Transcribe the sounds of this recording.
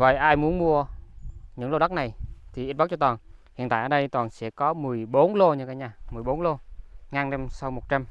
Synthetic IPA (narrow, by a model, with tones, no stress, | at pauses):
və̰˧˨jʔaː˧jmu˨˦ənmu˧ə | ɲɨ̰˧˥ŋlo˧ɗa˦˥k̚na˨˩jt̪ʰi˨˩ʔi˦˥t̚ɓa˦˥t͡ɕɔ˧t̪waː˨˩nhi˨ənt̪a̰ː˧˨ʔəː˧˩ɗə˧jt̪waː˨˩nsɛ̰˧˥kɔ˨˦mɨ˨˩əjɓo˨˦nlo˧ɲɨ˧kaː˨jɲaː˧˩mɨ˨˩əjɓo˨˦nlo˧ŋaː˧nɛ˧msa˧wmo˨˩t̚t͡ɕa˧m